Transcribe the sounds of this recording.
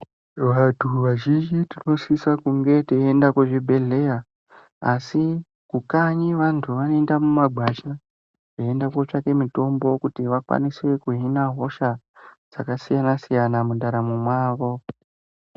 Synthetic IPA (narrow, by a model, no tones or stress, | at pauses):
ʋatʰuʋaʒind͡ʒitino̞sisakuŋɡe̞teendakweʐibʱe̞ɮe̞ja | asi | kukaɲiʋantʰuʋanoe̞ndamumaɡʱwat͡ʃa | ʐeendakot͡ʂake̞mito̞mbo̞kutiʋakwa̰niswe̞kuɦinaɦo̞ʃa | d͡z̥akasijanasijanamundaɾamumwaːʋo̞